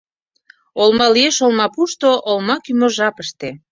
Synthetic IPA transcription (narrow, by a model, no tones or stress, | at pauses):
olmɑlieʃolmɑpuʃt̪oʔolmɑkymoʒɑpəʃt̪e